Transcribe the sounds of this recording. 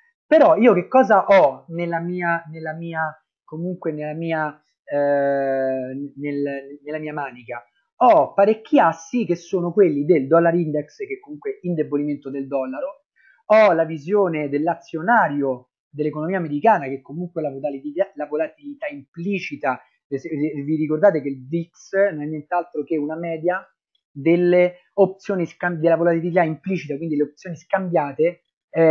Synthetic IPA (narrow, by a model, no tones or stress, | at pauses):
peɾɔiːok̟ekːɔːzaʔɔnelːamiːanelːamiːa | komuŋkwenelːamiːa | nelnelːamiːamaːnika | ɔpːaɾekːiasːik̟esːoːnokwelːid̪eld̪ɔlːaɾind̪eksk̟ekːomuŋkweind̪eboliment̪od̪eld̪ɔlːaɾo | ɔlavizjoːned̪elːat̪sːjonaːɾjo | d̪elːekonomiːameɾikaːnak̟ekːomuŋkwelavoaliialavolat̪ilit̪aimpliːt͡ʃit̪a | siviɾikord̪aːt̪ekelb̪iksnonɛnːjɛnt̪ealt̪ɾokeunamɛːd̪ja | d̪elːe | op̚t̪sjoːniskamd̪elːavolat̪iliit̪aimpliːt͡ʃit̪akwind̪ileopt̪sjoːniskambjaːt̪e